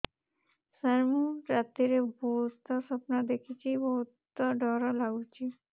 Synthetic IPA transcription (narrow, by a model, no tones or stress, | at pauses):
səɾmuɾat̪ːiɾebost̪ɔsɔpnad̪ekʰit͡ʃʰibɔɦut̪ːɔɖɔɾɔlaɡut͡ʃʰi